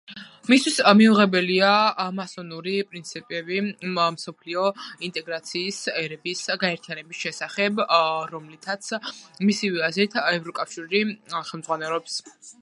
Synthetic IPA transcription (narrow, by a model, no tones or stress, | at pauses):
mist̪ʰwismiuʁɛbɛliamasɔnuɾipʼɾint̪sʰipʼɛbimsɔpʰliɔint̪ʼɛɡɾat̪sʰiːsɛɾɛbisɡaɛɾt̪ʰijanɛbisʃɛsaχɛbɾɔmlit̪ʰat̪sʰmisivɛazɾit̪ʰɛvɾɔkʼafʃiɾiχɛlmdzʁwanɛlˠɔps